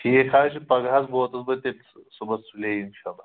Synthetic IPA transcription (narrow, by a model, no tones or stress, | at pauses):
ijekʰaɕʰipəɡʱat͡sbot̪ət͡sbət̪et͡ssubəsuleinɕalːa